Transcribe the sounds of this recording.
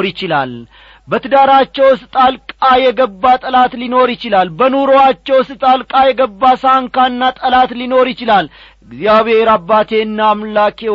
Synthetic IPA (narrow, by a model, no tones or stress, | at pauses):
ɾjɪt͡ʃɪla̰l | bət̪ɨd̪aɾat͡ʃːɛwst̪ʼalkʼajɛɡəbːat̪ʼəlat̪lino̞ɾjɪt͡ʃɪlalbənuɾo̞at͡ʃːɛwst̪ʼalkʼajɛɡəbːasaŋkanːat̪ʼəlat̪lino̞ɾjɪt͡ʃɪlal | ɨɡzijaβhe̞ɾabːat̪ʰe̞ɨnːaːmlakʰe